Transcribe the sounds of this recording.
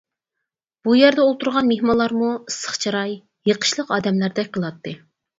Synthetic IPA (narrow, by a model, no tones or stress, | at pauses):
b̥ujæɾd̪ɛolˠt̪uɾʁɑnmehmɑlˠːɑɾmusə̥χt͡ʃʰɑɾɑjː | əqʰə̥ʃlˠəqɑːd̪ɛmlæɾd̪ɛkʲqʰəlˠɑt̪ʰːɨ